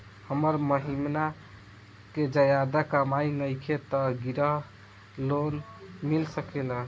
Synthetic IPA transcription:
həməɾməɦimna | ked͡ʒəjad̪əkəmajnəjkʰet̪əɡiɾəɦ | lonmilsəkelə

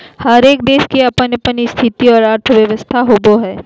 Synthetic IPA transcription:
həɾeːk̚d̪eːʃkiɐpənjəpənist̪ʰɪt̪iɔːɾaːɾʈ̪ʰəʋjəʋəst̪ʰaɦoːboɦɛː

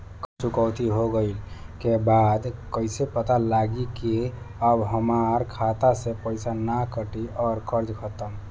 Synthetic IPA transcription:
kt͡ʃukəwt̪iɦoɡəɪlkebad̪kəɪsepət̪alaɡiki | əbɦəmaɾkʰat̪asẽpəɪsanakəʈiɔːɾkʰəɾd͡ʒkʰət̪əm

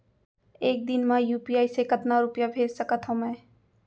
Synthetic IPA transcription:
eːk̚d̪ɪnmãjuːpiaːisekɐt̪naɾʊpjabʱeːd͡ʒsɐkat̪ʰõmɛ̃ː

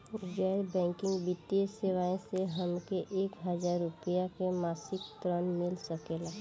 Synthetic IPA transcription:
ɡɛːɾbɛ̃ːŋkɪ̃ŋɡbɪt̪ːiəseʋaːẽseɦəmkeʔeːkɦəd͡ʒaːɾːʊpijakemaːsɪkt̪ɾənmɪlsəkela

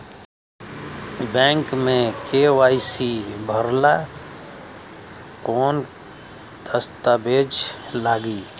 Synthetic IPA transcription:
bɛ̃ːŋkmẽkeːwaːɪsibʱəɾla | koːn | t̪əst̪abeːd͡ʒlaːɡiː

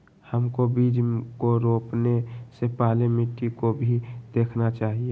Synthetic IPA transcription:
həmkobiːd͡ʒkoɾoːpnesepaːlemiʈikobʱid̪̥eːkʰnat͡ʃaːɦie

